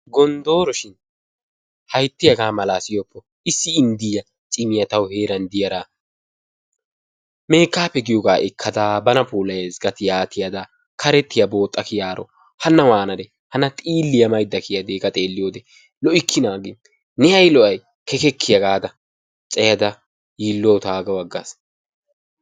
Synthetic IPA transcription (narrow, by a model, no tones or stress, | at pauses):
ɡɔnd̪o̞ːɾɔʃɪn | hɐjt̪ːɪjɐɡaːmɐlaːsɪjɔpʰːɔ | ɪsːɪːnd̪ɪjɐ | t͡ʃʼɪmɪjɐt̪ɐwhe̞ːɾɐnd̪ɪjɐɾa | me̞ːkːaːpːɛɡɪjɔɡaːʔɪkʰːɐd̪aːbɐnɐpuːlɐjezɡɐt̪ɪjaːt̪ʰɪjɐd̪ɐ | kʰɐɾɛt̪ːɪjɐbo̞ːt̪ʼːɐkɪjaːɾɔ̰ | hɐnːɐwaːnɐd̪ɛ | hɐnɐt̪ʼiːlːɪjɐmɐjd̪ːɐkɪjɐd̪eːkʼɐt̪ʼe̞ːlːɪjoːd̪ɛ | lɔʔɪkʰːɪnaːɡɪ | nɛɐjlɔʔɐj | kɛkɛkːɪjɐɡaːd̪ɐ | t͡sʼɛjɐd̪ɐ | jiːlːɔwt̪aːɡɐwɐɡːa̰s